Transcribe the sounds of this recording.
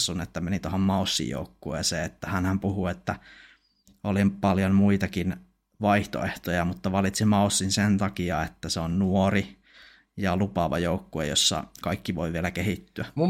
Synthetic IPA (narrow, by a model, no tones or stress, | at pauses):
sːunet̪ːæmenit̪ohommɑusːḭjjo̰ˑukːuḛːseet̪ːæhænhæmpuhuet̪ːæ | olimpɑljonmuit̪ɑkin | ʋɑiht̪o̰eht̪ojɑmut̪ːɑʋɑlit̪simɑusːinsent̪ɑkiɑet̪ːæseonnuori | jɑlupɑʋɑ̰joukːuḛjo̰sːɑ̰kɑikːiʋoiʋielækehit̪ːyæ